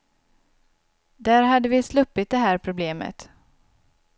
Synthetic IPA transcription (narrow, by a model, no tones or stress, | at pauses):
d̪æːɾɦad̪ːəvɪslɵpːɪt̪̚d̪ɛɦæːɾpʰɾʊbleːmə̰t̪